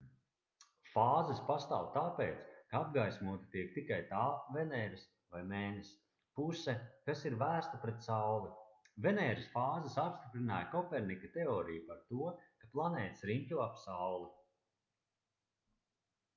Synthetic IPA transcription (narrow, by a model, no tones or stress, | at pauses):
faːzɐspast̪a̰ːwt̪aːpeːt̪skaab̚ɡajsʲmuːt̪i̥t̪iɛk̚t̪ikajt̪aːvɛnɛːɾɐs | vajmɛːnes | pusɛkasiɾvæːst̪apɾɛt̪̚sawvivenɛːɾisfaːzɐsapst̪ipɾina̰ːjkɔpɛɾnikat̪eɔːɾijupaɾt̪uɔkaplˠanɛːt̪sɾinʲkʲuɔapsawlˠi